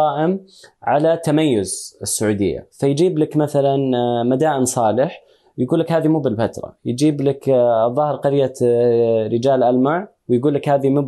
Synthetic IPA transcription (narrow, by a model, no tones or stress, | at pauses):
ɑːʔɪm | ʕalat̪ːamajːʊzɪsːʊʕuːd̪ɪ̰jːa̰fajd͡ʒiːblakmaθalanmad̪aːʔɪnsˤɑːlɪħ | jɡuːlːɪkhaːðimuːbɪlfat̪ɾˤɑ̰jd͡ʒiːblakðˤːɑːhɾqɑɾjːa | ɾɪd͡ʒaːlʔalmaʕwjɡuːlːakhaːðimuː